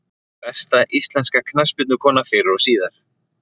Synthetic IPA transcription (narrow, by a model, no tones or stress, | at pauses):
pɛst̪aʔist̪lɛnskakʰnaspʏt̪nʏkʰɔːnafɪɾɾɔsiːðaɾ̥